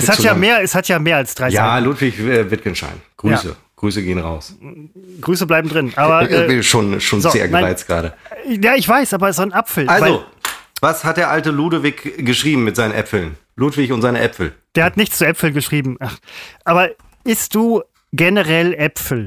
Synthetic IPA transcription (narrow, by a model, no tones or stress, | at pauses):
ʔɛshatjaːmeːɐɛshatʰjaːmeːɐalsd̥ʁaɪjaːluːtv̥ɪçɛːvɪt̚kənʃta̰ɪnɡ̥ʁyaːsə̰ | ɡ̥ʁyːsəɡeːənʁa̰ʊs | ɡ̥ʁyːs̬əblaɪbm̩dʁɪnʔaːbɐʔɛːviʃoːnʃoːnzoeːɐɡaʁaɪt͡sɡ̥ʁa̰ːɾəjaːɪçv̥aɪsʔaːbɐzonʔapfl̩ʔalvazovashat̚d̥eːɐʔaltəluːdovɪkɡ̥əʃʁ̥iːbm̩mɪtz̥aɪnənʔɛfl̩n | luːtv̥ɪçʊntzaɪnəʔɛpfl̩d̥eːɐhatnɪçt͡st͡suʔɛpfl̩nɡəʃʁ̥iːbm̩ʔaχʔaːbɐ | bɪstd̥uː | ɡɛnəʁɛlʔɛpfl̩